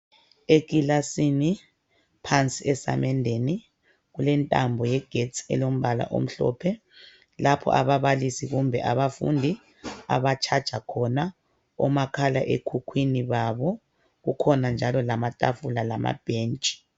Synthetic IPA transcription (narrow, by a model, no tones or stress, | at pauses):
ekilasini | pʰant͡sʼiɛsa̰mɛndʱeni | ɣulɛntʼambʱɔjɛɡ̥ʱett͡sʰɛ̰lom̩βala̰ʔo̰m̩ɬɔ̰pʰɛ | lapʰɔ̰ʔaβaβalisiɣumbʱɛʔaβafṵndʱi | a̰βat͡ʃʰad̥ʒ̥ʱakʰɔna | ɔ̰makʰalaʔekʰukʰwiniβaβɔ | ɣukʰɔnand͡ʒʱalɔlamatʼafulalama̰b̥ʱeːnt͡ʃʼi̥